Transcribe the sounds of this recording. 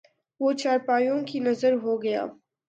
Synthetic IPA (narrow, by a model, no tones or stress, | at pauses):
ʋoːt͡ʃaːɾpaːjõkinɐzəɾɦoːɡɐja̰ː